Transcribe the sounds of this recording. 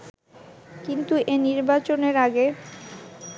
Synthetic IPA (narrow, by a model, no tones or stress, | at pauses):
kint̪uʔeniɾbat͡ɕoneɾaɡe